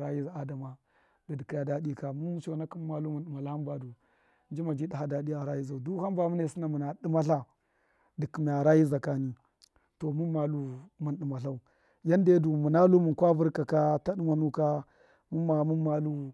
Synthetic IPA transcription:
ɾa˦ji˦˨a˨da˨ma˨ | da˨di˨ki˨ja˨da˦di˦ka˨mu˦t͡ʃo˦˨na˦ki˦m˦ma˦lu˦mu˨nɗi˨ma˨la˦ha˦mba˨du˨ | n˦d͡ʒi˦ma˨d͡ʒi˦da˨ɦa˦da˨di˦a˨ɾa˦ji˦za˨u˨du˦ha˦mba˨mu˦ne˦˨si˦na˨mu˨na˨ɗi˦ma˦ɬa˦ | di˨ki˨mi˨a˨ɾa˦ji˦za˨ka˨ni˦ | to˨mu˦ma˨lu˦mu˨nɗi˨ma˨ɬa˦u˨ | ja˦nde˦du˨mu˨na˦lu˦mu˨nkʷa˦vu˦ɾka˨ka˦ta˦ɗi˦mʷa˦nu˦ka˦ | mu˦ma˨mu˦ma˦lu˦

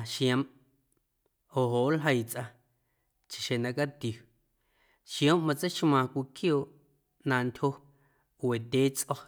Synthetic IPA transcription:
ʃj̃ã˧˦m | o˨ɦo˨ʔlɦə˧jt͡sʔa˧ | t͡ʃi̥˨ʃe˨nã˧ka˦t̪ju˨ | ʃj̃õ˦mmã˧t͡sə˦jʃmãː˧˨kʷi˧˨kjoː˧˨ʔ | nãː˧ntʲho˦ | we˨t̪ʲeː˨˦t͡sʔɔ˦

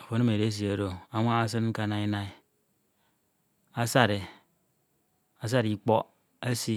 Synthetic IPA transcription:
a˨fo˨˦na˦me˨ɾe˦s̬i˨a˨ɾo˦˨a˨ŋʷ˦a˦a˦s̬ɨ˦nŋ̩˦ka˦na˦i˦na˦i˦ | a˦sa˦ɾe˨ | a˨s̬a˦ɾi˦˨k͡pɔ˦ | a˦si˦

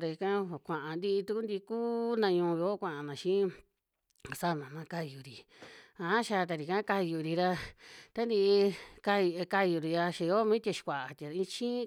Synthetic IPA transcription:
ɾa˧i˧kã˦˨kʷã˨ʔã˨nd̪i˦˧i˧t̪u˧ku˦nd̪i˧kuː˦nã˧ɲũː˧βi˧o˦kʷã˧ʔã˧nã˨ʃĩ˦˨ | sa˦˨nã˨nã˧ka˧ju˨ɾi˨ | ã˧˨˦ʃa˧t̪̬a˧ɾi˨kã˦ka˧ju˧ɾi˧ɾa˧t̪a˦nd̪i˧ka˧ka˧ju˧ɾi˧ja˧ʃi˧jo˦mĩ˦t̪ʲa˧ʃi̥˧kʷa˨ʔa˨t̪ʲa˨˧ĩ˧t͡ʃĩ˦

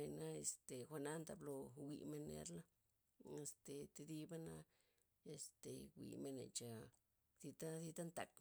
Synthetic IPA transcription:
e˧na˦e˧st̪e˨xʷa˧na˦nt̪a˧blo˧wḭ˧me˧nːḛ˧ɾla˦ | e˧st̪e˨t̪e˧d̪i˦ba˦na˦ | e˨˧st̪e˨wʷḭ˨me˧nḛ˨t͡ʃa˧ | si˧t̪a˦zi˧t̪a˦nt̪a̰˧k

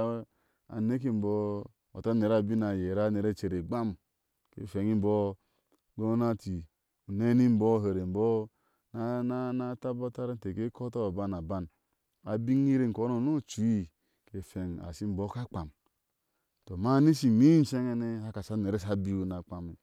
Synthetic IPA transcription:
a̰˨ne˦k̬i˦m̩˨bo˦ | o̰˨ta˦ne˨ɾa˨bi˦na˨je˨ɾa˦ne˨ɾe˦t͡ʃe˨ɾe˨ɡ͡ba˦m | kḛ˨fe˨ŋi˦m̩˦bo˦ | ɡo˦na˦ti˨ | u˨ne˦ni˦m̩˦bo˦˨ɦe˨ɾe˨m̩˨bo˦ | na˦na˦na˦ta˦bo˦ta˦ɾe˦n˦te˨ke˦kʰo˦to˦a˨ba˦na˨ba˦n | a˨bi˦ŋ˦i˦ɾe˦˨ŋ˨ko˨˦o˨no˦˨t͡ʃu˨˦i˦ | ke˨fe˨ŋa̰˨si˦m̩˦bo˦ka˦k͡pa˨m | to˨ma˦ni˦si˨mi˦n̩˦t͡ʃe˦ŋe˦ne˦a˦ka˨sa˦ne˨ɾe˦sa˦bi˦u˦na˨k͡pa˨mi˨

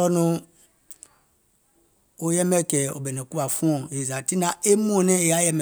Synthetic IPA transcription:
ɔ˦nũ˦ | o˨jɛ˦mɛ˦kɛ˨o̰˨bɛ˨nɛ˨ku˦a˨fũ˦ɔ̃˨e˨za˨ti˦nã˨e˦m˦õ˦˨nɛ̃˦e˨ja˦jɛ˦mɛ˨

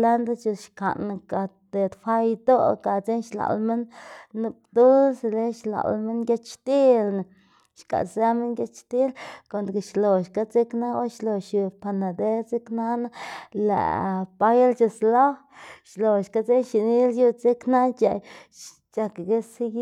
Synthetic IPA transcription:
la˦nd̪a˦t͡ʃu˧ʃka̰˨na˧ka˨ | t̪e˨t̪fʷa˦jd̪o˦ka˨t͡se˦nʃla̰˨lme˦nːu˧p̚d̪u˦lsle˦ʃla̰˨lme˦ŋɡʲa˧˦t͡ʃt͡ʃt̪i˦lna˨ | ʃka̰˨za˦me˦ŋɡʲa˧t͡ʃʃt̪i˦lko˨nd̪ke˨ʃlo˨ʃka˦t͡se˦kna˦o˦ʃlo˨ʃi˨pa˧na˨d̪e˦t͡se˦kna˦na˦lḛ˨ʔpa˦jlt͡ʃa˧slo˦ | ʃlo˨ʃka˧˦t͡se˦ʃi˨ni˦lju˦t͡se˦kna˦t͡ʃa̰˨j | t͡ʃa˧kɡe˦si˦ɡ

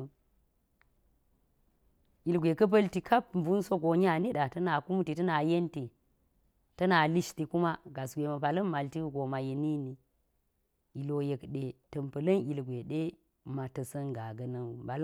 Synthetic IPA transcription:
ʔi˨lɡʷe˨kɐ˦p̬ɐ˦lti˨kʰa˦p̚m˨bu˦nso˦ɡo˨ɲ˦a˦˨ni˦ɗa˨tɐ˦na˨ku˦m˦ti˨tɐ˦na˨je˦nti˨ | tɐ˦na˨li˦ʃti˨ku˦ma˦ɡa˨sɡʷe˨mɐ˨pa˨lɐ˦mː˦a˨lti˦ɡo˨ma˨je˨ni˦ni˨ | i˨lo˨je˨kɗe˨tɐ˨mpɐ˨lɐ˦nʔi˨lɡʷe˨ɗe˦ | ma˨tɐ˨sɐ˦nɡa˨ɡɐ˦nɐ˦nu˨ba˨l

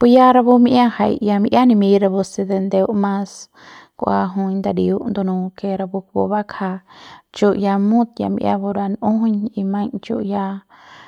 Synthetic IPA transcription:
pu˧ja˦ɾa˧bu˧miʔã˦ha̰˧jja˧m˧ʔja˦nĩ˧mĩ˧ɾa˧bu˧se˧d̪e˧nd̪e˧u˦ʔmã˧s | kʷʔa̰˧ɦũ˧ɲnd̪a˧ɾḭ˨u˦ʔnd̪u˧nũ˧ke˧ɾa˧bu˧k̚bo̰˧βa˦kʰa˧t͡ʃu˧ʔja˧mũ˦t̪ja̰˧mḭ˧ʔja̰˧bo˧ɾa˧nũ˦ɦɲi˧mã˧ɲt͡ʃṵ˧ʔja˧

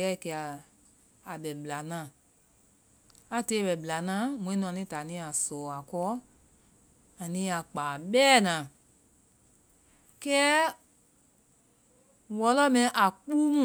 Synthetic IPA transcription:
ɛ˨˦˨kɛ˧a˨ | a˨bɛ˨bla˨nã˨ | a˧te˧˦˨bɛ˨bla˨nãː˨˦mũ˨ĩ˦nũ˧a˧˨ĩ˦ta˨nĩ˧˦a˨sɔː˨a˨kɔ˦ | a˨nĩ˧˦a˨k͡paː˨bɛː˦˨nã˨ | kɛ˦ | wɔ˧˦lɔ˦mɛ̃˧˦ʔa˨k͡pu˦mũ˦˨

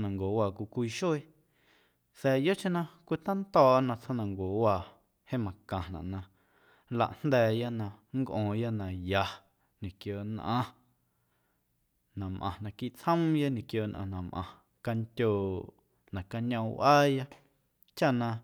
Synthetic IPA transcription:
nã˨ŋɡo˨waː˨kʷu˧kʷi˧ʃo˦e˧ | sɛː˧˨jo˦t͡ʃẽ˦nã˧kʷi˦t̪ã˦nt̪ɔː˧˨ʔnã˧t͡sʰhõ˦nã˨ŋɡo˨waː˧˨ | he˦mã˨kã˨nã̰˨ʔnã˧ | la̰˨ʔn̥nd̪ɛː˧˨ja˦nã˧ŋkʔõː˨ja˦nã˨ja˨ | ɲĩ˨kjoː˨nʔã̰˧ | nã˨mʔã̰˨nã˧ki˦ʔt͡shə̃˦mja˦ɲĩ˨kjoː˧˨nʔã̰˧nã˨mʔã̰˨ | ka˧ntʲoː˨ | nã˨ka˧ɲã˧˦wʔaː˦ja˦ | t͡ʃa˦nã˧

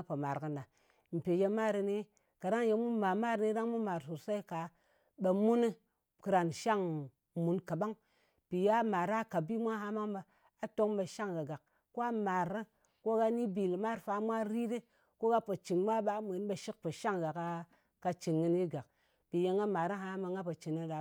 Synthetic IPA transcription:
po˨ma˨ɾkɨ˨nda˨ | m̩˨pe˨je˧ma˦ɾi˧ne˦ | ka˨da˦ŋje˧mu˦ma˨ma˦ɾni˦da˦ŋmu˦ma˨ɾsu˨ɾsa˦i˦ka˨ | ɓa˨mu˦nɨ˦ | kɨ˨ɾa˨nʃa˦ŋ | mu˨nka˨ɓa˦ŋ | pi˨ja˦ma˨ɾa˦ka˨bi˦mʷa˦ɦa˦ma˦ŋba˨ | a˨to˦ŋba˨ʃa˦ŋɡa˨ɡa˨k | ko˦a˦ma˨ɾɨ˦ | ko˦ɡa˦ni˦bi˨lma˦˨ɾfa˧mʷa˦ɾi˦di˦ | ko˦ɡa˦po˨t͡ʃi˨ŋmʷa˦ɓa˦mʷe˨n˦ɓa˨ʃi˦k̚po˨ʃa˦ŋɡa˨ka˦ | ka˧t͡ʃi˨ŋːɨ˦ni˦ɡa˨k̚ | pi˨je˨˦ŋɡa˦ma˨ɾa˦ɦa˦ma˨ŋɡa˦pa˨t͡ʃi˨nːi˦ɗa˨

